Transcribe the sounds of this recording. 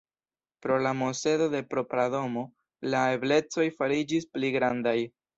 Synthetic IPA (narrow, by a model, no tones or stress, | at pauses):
pɾo̞lamo̞se̞do̞de̞pɾo̞pɾado̞mo̞ | lae̞ble̞t͡so̞jfaɾid͡ʒispliɡɾandaj